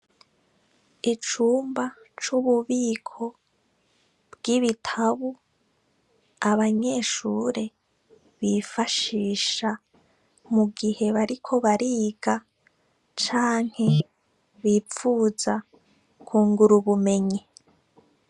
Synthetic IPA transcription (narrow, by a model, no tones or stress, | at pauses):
it͡ʃuːmba | t͡ʃuβuβiːkʰo̞ | bɡiβitʰaβu | aβaɲe̞ːʃuːɾe̞ | βiːfaʃiːʃa | muɡihe̞βaɾikʰo̞βaɾiːɡa | t͡ʃaːŋ̥he̞ | βiːp͡fuːza | kʰuːŋɡuɾuβume̞ɲi